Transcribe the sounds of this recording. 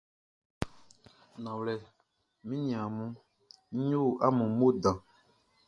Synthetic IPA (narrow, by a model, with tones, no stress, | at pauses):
nã˨wlɛ˨ | mĩ˦ɲĩ˨ã˨mũ˦ | ɲu˦˨ʔa˦mũ˨mo˦dã˨